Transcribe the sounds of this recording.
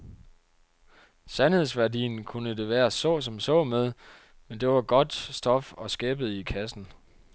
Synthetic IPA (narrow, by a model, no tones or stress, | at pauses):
sænhe̝ðˠsʋæɐdḭːn̩kʰunəd̥e̝ʋæːɐsɔ̰̽ːsɒ̽msɔ̰̽ːmeð̞ˠ | mend̥e̝ʋɑ̈ɡ̥ɒ̽d̥sd̥ɒ̽fɒ̽sɡ̥ɛːb̥əð̩ˠikʰæsn̩